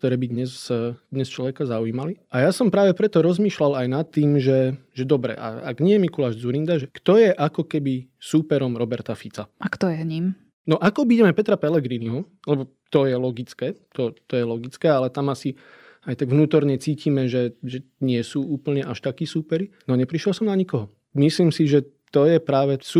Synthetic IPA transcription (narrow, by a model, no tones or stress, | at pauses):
kkt̪ɔɾɛːbid̪ɲɛsd̪ɲɛst͡ʃlɔʋɛkazaujiːmaliʔajasɔmpɾaːʋɛpɾɛt̪ɔɾɔzmiːʃlalajnat̪ːiːmʒɛʒɛd̪ɔbɾɛ̰ʔa̰a̰ɡɲɪɛjɛmikulaːʒd͡zuɾind̪aʒɛkt̪ɔjɛʔakɔkɛbisuːpɛɾɔmɾɔbɛɾt̪afit͡saʔakt̪ɔjɛɲim | nɔʔakɔbiɟɛmɛpɛt̪ɾapɛlɛɡɾiniɦɔ | lɛbɔ | t̪ɔjɛlɔɡit͡skɛːt̪ɔt̪ɔjɛlɔɡit͡skɛːalɛt̪amasi | ajt̪aɡʋnuːt̪ɔɾɲɛt͡siːcimɛʒɛʒɛɲɪɛsuːuːpl̩ɲɛʔaʃt̪akiːsuːpɛɾinɔɲɛpɾiʃjɛlsɔmnaɲikɔɦɔ | misliːmsiʒɛ | t̪ɔjɛpɾaːʋɛsu